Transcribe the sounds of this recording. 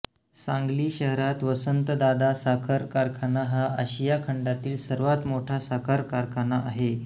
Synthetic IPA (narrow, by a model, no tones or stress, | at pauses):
sãŋɡliːɕəɦɾat̪ʋəsənt̪əd̪ad̪asakʰəɾkaɾkʰanːaɦaʔəɕijakʰəɳɖat̪iːlsəɾʋat̪moʈʰasakʰaɾkaɾkʰanːaʔaɦe